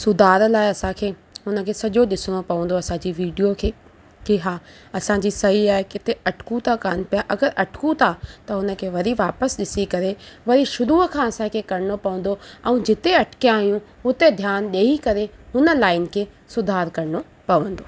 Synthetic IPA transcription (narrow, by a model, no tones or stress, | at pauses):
sʊd̪ʱaːɾlaːɪɐsãkʰeː | ɦʊnə̆kʰeːsɐʄoɗɪsɪɽ̃opɐʋə̃n̆d̪oɐsãd͡ʑiʋiːɖijokʰeː | kiɦaː | ɐsãd͡ʑisɐɦiaːɦekɪt̪eɐʈʰʊ̥kũt̪ʰakaːn̆pijaʔɐɡəɾʔɐʈʰʊ̥kũt̪ʰat̪ɐɦʊnə̆kʰeːʋɐɾiʋaːpəsɗɪsikɐɾeʋɐɾiʃʊɾuːkʰãːɐsãkʰeːkɐɾɪñopɐʋə̃n̆d̪oɛ̃ːd͡ʑɪt̪eɐʈʰkijãːɦijũɦʊt̪ed̪ʱjaːnɗeːikɐɾeɦʊnə̆laːɪnɪ̆kʰeː | sʊd̪ʱaːɾkɐɾɪɽo | pɐʋə̃nd̪oː